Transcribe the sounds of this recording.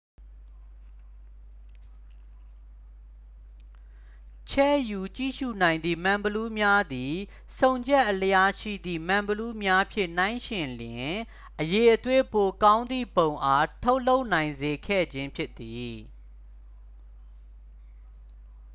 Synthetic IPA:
t͡ɕʰɛ̰˦˨ju˨t͡ɕḭ˦˨ʃṵ˦˨nã˨ɪ̃nd̪ðḭ˦˨mã˨mbəlu˦mja˦d̪i˨ | sʰõ˨ʊ̃ɲd͡ʑɛ˦ʔələja˦ʃḭ˦˨d̪ðḭ˦˨mã˨mbəlu˦mja˦pʰjɪ̰̃˦˨n̥ã˦ɪ̃ʃɪ̃˨ljɪ̃˨ | ʔəje˨ʔət̪we˦po˨kã˦ʊ̃nd̪ðḭ˦˨bõ˨ʊ̃ʔa˦tʰo˦ʊʔlo˦ʊʔnã˨ɪ̃nze˨kʰɛ̰˦˨d͡ʑɪ̃˦mpʰjɪ˦t̪ːi˨

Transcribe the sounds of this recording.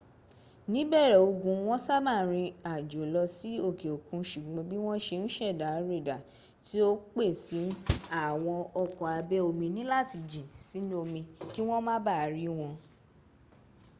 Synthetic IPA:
nĩ˨˦bɛ˦˨ɾɛ˨o˧ɡũ˧w̃ɔ̃˦sa˦mã˦˨ɾ̃ĩ˧a˨d͡ʒo˨lɔ˧si˦o˦˨ke˨o˨kũ˨˧ʃu˨ɡ͡bɔ̃˨˧bi˦w̃ɔ̃˦ʃe˧ñ̩˦ʃɛ˦˨da˨˦ɾe˦˨da˨ | ti˦o˦k͡pe˦˨si˨˦n̩˦a˦˨w̃ɔ̃˧ɔ˧kɔ˨a˧bɛ˦o˧mĩ˧nĩ˦la˦˨ti˧d͡ʒĩ˨si˨˦ñ˦o˧mĩ˧ki˦w̃ɔ̃˦mã˦ba˦˨ɾi˦w̃ɔ̃˧

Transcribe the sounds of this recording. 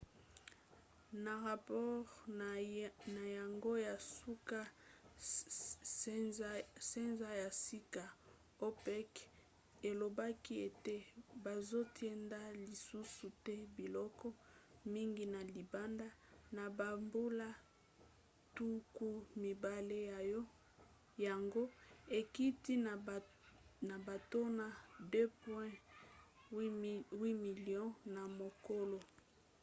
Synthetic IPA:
na˨ʁa˨pɔ˦ʁ | na˨ja˨ŋɡo˦ja˨su˦ka˦ | se˦nza˦ja˨si˦ka˨ | o˦pɛ˦k | e˨lo˨ba˦ki˦e˨te˦ba˨zo˦tʰjɛ˦nda˦li˨su˦su˨tɛ˦bi˨lɔ˦kɔ˦mi˦ŋɡi˨na˨li˨ba˦nda˦na˨ba˨mbu˦la˦ | tu˦ku˦mi˨ba˨le˦ja˨jɔ˦ | ja˨ŋɡo˦e˨ki˦ti˦˨ | na˨ba˨to˦na˨dø˦pwɛ̃˦ | wi˦mi˨lijɔ̃˦na˨mo˨ko˦lo˨

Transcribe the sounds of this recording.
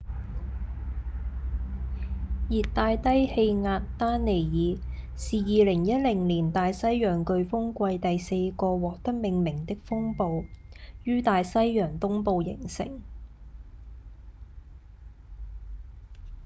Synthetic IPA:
jiː˨t̚t̪aː˧jt̪ɐ˥jhe˧jŋaː˧tt̪aː˥nne˨˩jjiː˨˧ | siː˨jiː˨˧lɪ˨˩ŋjɐ˥t̚lɪ˨˩ŋliː˨˩nt̪aː˨˧jsɐ˥jjœː˨˩ŋkɵ˧ɥfʊ˥ŋkʷɐ˧jt̪ɐ˨jse˧jkɔː˧wɔː˨k̚t̪ɐ˥k̚mɪ˨˧ŋmɪ˨˩ŋt̪ɪ˥k̚fʊ˥ŋpo˧wjyː˥t̪aː˨jsɐ˥jjœː˨˩ŋt̪ʊ˥ŋpo˧wjɪ̰˨˩ŋsɪ̰˨˩ŋ

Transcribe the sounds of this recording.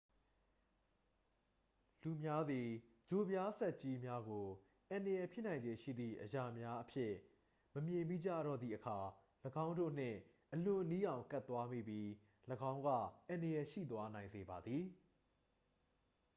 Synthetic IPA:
lu˨mja˦d̪i˨ | d͡ʑo˨bja˦sɛ˦ʔt͡ɕi˦mja˦ɡo˨ | ʔã˨ndə˨jɛ˨pʰjɪ˦nã˨ɪ̃ɲd͡ʑe˨ʃḭ˦˨d̪ðḭ˦˨ʔəja˨mja˦ʔəpʰjɪ̰˦ | məmjɪ̃˨mi˦˨d͡ʑa̰˦˨ɾɔ̰˦˨d̪ðḭ˦˨ʔəkʰa˨ | ləɡã˦ʊ̃ndo̰˦˨n̥ɪ̰̃˦˨ | ʔəlʊ̃˨ni˦ʔã˨ʊ̃ka˦t̪ːwa˦mḭ˦˨bji˦ | ləɡã˦ʊ̃ŋɡä̰˦˨ʔã˨ndə˨jɛ˨ʃḭ˦˨t̪wa˦nã˨ɪ̃nze˨ba˨d̪ði˨

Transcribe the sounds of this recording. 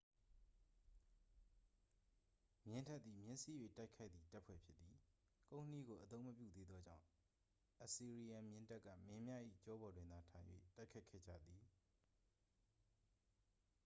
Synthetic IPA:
mjɪ̃˦ntʰɛ˦t̪t̪i˨mjɪ̃˦nsi˦jwḛ˦˨ta˦ɪkʰa˦ɪt̪ːi˨ta˦ʔpʰwɛ̰˦˨pʰjɪ˦t̪ːi˨ | kõ˦˨nəni˦ɡo˨ʔət̪õ˦ʊ̃məpjṵ˦˨d̪e˦d̪ðɔ˦d͡ʑã̰˦˨ʊ̃ | ʔə˨si˨ɹi˨jã˨mjɪ̃˦nta˦ʔkːä̰˦˨mɪ̃˦mja˦ʔḭ˦˨t͡ɕɔ˦bɔ˨dwɪ̃˨nd̪a˨tʰã˨ɪ̃jwḛ˦˨ta˦ɪkʰːa˦ɪkʰːɛ̰˦˨d͡ʑa̰˦˨d̪ði˨

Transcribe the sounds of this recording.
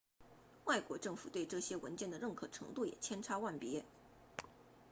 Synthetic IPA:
wa˥˩ɪkwɔ˧˥ʈ͡ʂɤ˥˩ŋfu˨˩t̪we˥˧ɪʈ͡ʂɤ˥˩ɕjɛ˥wə˧˥nt͡ɕjɛ˥˩nd̪ə˩ɻə˥˩nkʰɤ˨˩ʈ͡ʂʰɤ̰˧˥ŋt̪u˥˩jɛ̰˨˩t͡ɕʰjɛ˥nʈ͡ʂʰa˥wa˥˩npjɛ˧˥

